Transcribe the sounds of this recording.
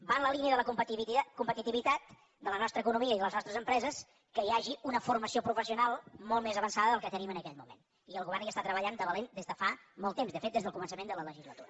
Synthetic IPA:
banləliniəðələkup̪kumpət̪it̪iβit̪at̪ | d̪ələnɔst̪ɾəːkunumiəiðələznɔst̪ɾəzəmpɾɛzəs | kəiaʒiunəfurməsiopɾufəsiunalˠmolˠmezəβənsaðəðəlˠkət̪ənimənəkɛʎmumḛn | iəlˠɣuβɛrniəst̪at̪ɾəβəʎand̪əβəlend̪ezðəfamɔlˠt̪ːemzðəfet̪̚ezðəlˠkumənsəmend̪ələləʒizlət̪uɾə

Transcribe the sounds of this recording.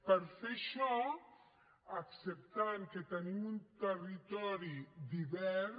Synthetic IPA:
peɾfeʃɔ | aksep̚t̪aɾket̪enimunt̪erit̪ɔɾid̪iβɛɾ

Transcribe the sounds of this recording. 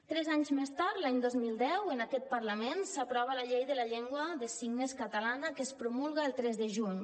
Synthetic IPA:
t̪ɾɛzaɲzmest̪aɾt̪laɲd̪ozmilˠd̪ɛwənakɛt̪̚pəɾləmensəpɾɔβələʎejðələʎɛŋɡwəðəsiɡnəskət̪əlanəkəspɾumulˠɣəːlˠt̪ɾɛzðəʒuɲ

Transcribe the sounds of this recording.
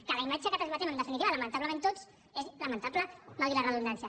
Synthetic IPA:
kələimad͡ʒəkət̪əzβat̪enənəfinit̪iβələmə̃nt̪apləmẽnt̪ot͡s | ezləmənt̪apləmalðilərəðund̪ansjə

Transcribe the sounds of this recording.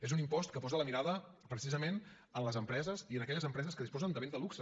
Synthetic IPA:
ezunimpɔst̪̚kəpɔzələmiɾaðə | pɾəsizəmen | ənləzəmpɾɛzəziənəkɛʎəzəmpɾɛzəskəðispɔzənd̪əβend̪əluksə

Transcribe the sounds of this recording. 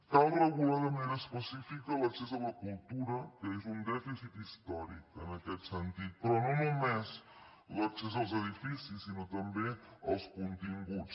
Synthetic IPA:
t̪alɣɾəɣulaðəmenəspəsifikələksɛzələkulˠt̪uɾəkəezund̪ɛfisit̪ist̪ɔɾikənəkɛt̪sənt̪it̪̚pɾɔnonumez | ləksɛzəlˠzəðifisisːinot̪əmbeəlˠskunt̪iŋɡut͡s

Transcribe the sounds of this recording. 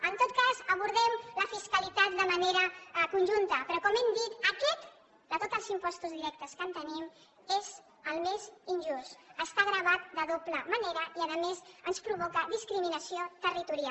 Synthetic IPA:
ənt̪ot̪̚kazəβ̞uɾð̞ɛmləfiskəlit̪at̪̚d̪əməneɾəkunʲʒunt̪əpɾɔkɔmɛmd̪it̪əkɛt̪ | d̪ət̪ot̪əlˠzimpɔst̪uzðiɾɛk̚t̪əskənt̪ənim | ez | əlˠmezinʲʒust̪əst̪aɣɾəβ̞at̪̚d̪əðopləməneɾəiəðəmezənspɾuβɔkəðiskɾiminəsiot̪ərit̪uɾia

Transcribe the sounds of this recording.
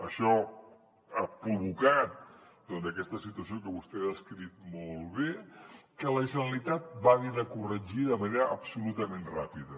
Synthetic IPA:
əʃɔ | apɾuβukat̪̚d̪ɔnd̪əkɛst̪əsit̪uəs̬iokəβust̪easkɾit̪̚mɔlˠβekələʒənəlit̪at̪̚baɣinəkurəʒiðəməneɾəʔːpsulut̪əmenrapiðə

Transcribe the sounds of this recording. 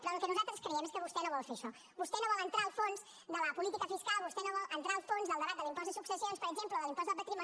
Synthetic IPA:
pɾɔəlˠkɛnuzalˠt̪ɾəskɾəɛmeskəβust̪ɛnoβɔlˠfeɾʃɔ | bust̪ɛnoβɔlˠənt̪ɾalˠfonz | d̪ələpulit̪ikəfiskalˠβust̪ɛnoβɔlˠʔənt̪ɾaəlˠfonzðəlˠd̪əβat̪̚d̪əlˠimpɔzðəsuksəsionspəɾəɡzempləðəlimpɔzəp̪ət̪ɾimə

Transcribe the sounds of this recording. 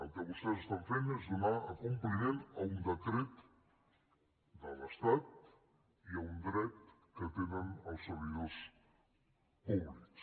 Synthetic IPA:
əlˠkɛβust̪ɛzəst̪aɱfenezðunaəkumplinenəund̪əkɾet̪ | d̪ələst̪at̪̚ | iəund̪ɾɛt̪kət̪enənəlˠsəɾβiðos | umans

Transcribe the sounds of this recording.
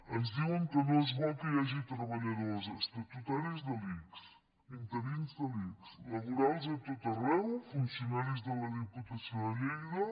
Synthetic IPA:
ɐzd̪iwəŋkənɔzβɔkəjaʒit̪ɾɐβaʎɐðɔzɐst̪ət̪ut̪aɾizd̪ɐliks | int̪əɾinzd̪ɐlikslaβuɾalˠzet̪ot̪ɐrɛwfunsjunaɾizd̪əlɐðiput̪asjoðɐlɛjðɐ

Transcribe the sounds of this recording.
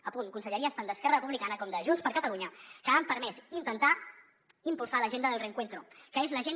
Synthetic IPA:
əpunkunsəʎəɾiəst̪and̪əskɛrərəpuβlikanəkɔmd̪əʒunspəɾkət̪əluɲəkəampəɾmɛsint̪ənt̪a | impulˠsaləʒend̪əðəlˠrəŋkwent̪ɾukəezləʒen

